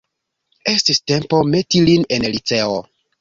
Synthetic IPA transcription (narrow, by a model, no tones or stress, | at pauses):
e̞stiste̞mpo̞me̞tiline̞nlit͡se̞o